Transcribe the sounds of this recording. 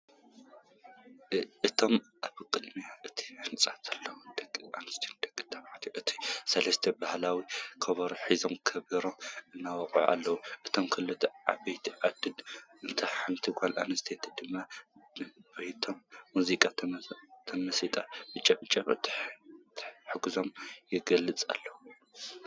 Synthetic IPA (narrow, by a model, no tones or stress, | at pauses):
ʔɨt̪ʰo̞mʔaβɨkʼɨd̪miaʔɨt̪ʰi̥ħɨnt͡sʼat̪ʰɐlːɐwd̪ɐkʼːia̰nɨst̪ʰend̪ɐkʼːɨt̪ʰɐβħt̪ʰiʔɨt̪ʰi̥sɐlɐst̪ʰɐbahlawikʰɐβɐɾuħizomkʰɐβiɾomɨnːawɐqʼʕa̰lːɐwuʔɨt̪ʰomkʰɐlɨt̪ʰɐa̰bɐjt̪ʰiʔad̪ɨlɨnt̪ʰɐħɨnt̪ʰɨɡʷalʔa̰nɐst̪ʰet̪ʰd̪ɨmːa | bɐht̪ʰo̞mːuzikʼa | t̪ʰɐmɐsit̪ʼabɨt͡ʃʼɐbɨt͡ʃʼːɐβɨ̰t̪ʰt̪ʰħɨɡuzomjɪɡɐlɨt͡sʼa̰lːɐwu